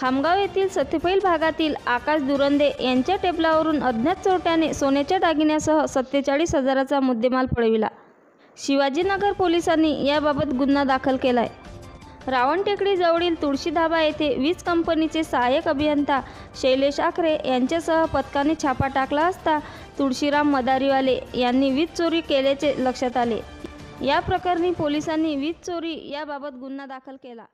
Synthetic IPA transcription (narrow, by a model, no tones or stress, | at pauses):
kʰamɡaʋjet̪iːlsət̪ʰepəiːlbʱaɡat̪iːlakasd̪uɾənd̪eʔjaɲt͡ɕjaʈeblaʋəɾuːnəd̪ʱnjatt͡soɾʈjanesonjat͡ɕjaɖaɡinjasəɦəsət̪ːət͡saɭiːsɦəd͡zaɾat͡samud̪ʱːemalpəɽʋila̰ | ɕiʋad͡ʑiːnəɡəɾpolisanːḭjababət̪ɡunːad̪akʰəlkela̰j | ɾaʋəɳʈekɽiːd͡zəʋɽiːlt̪uɽɕiːd̪ʱabajet̪ʰeʋiːt͡skəmpənit͡sesəɦajəkəbʱijənt̪a | ɕəjleɕakʰɾejaɲt͡ɕjasəɦəpət̪kanet͡ɕʰapaʈaklaəst̪a | t̪uɽɕiɾamːəd̪aɾialejanːiːʋiːt͡st͡soɾiːkeljat͡seləkʂət̪alḛ | japɾəkaɾniːpolisanːiːʋiːt͡st͡soɾiːjababət̪̚ɡunːad̪akʰəlkela